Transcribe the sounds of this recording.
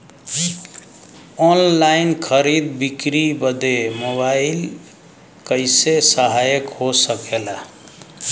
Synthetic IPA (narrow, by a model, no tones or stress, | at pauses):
ɔnlainkʰəɾid̪̚bikɾibəd̪emoβail | kəɪsesəɦajəkɦosəkela